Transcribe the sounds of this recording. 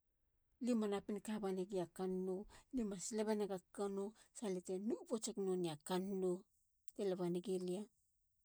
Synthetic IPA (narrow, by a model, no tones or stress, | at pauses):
limanapinkabaniɡiakanːolimasileβenaɡakanosaletenubot͡ʃeknoniakanːo | telaβaniɡilia